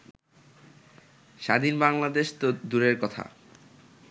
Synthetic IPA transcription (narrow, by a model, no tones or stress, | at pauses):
ʃad̪ʱinbaŋlad̪eʃt̪od̪uɾeɾkɔt̪ʰa̰